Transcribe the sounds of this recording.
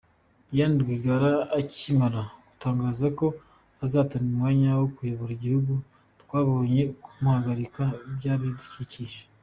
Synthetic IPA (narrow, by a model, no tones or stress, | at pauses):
ijaniɾɡiːɡaɾaːcimaɾaɡutaːŋɡaːzako̞ | azaːtanumŋaːɲawokujoβoɾiɟihuɡu | twaːβoɲe̞kʰumuhaɡaɾikabjaːβiduciciʃe̥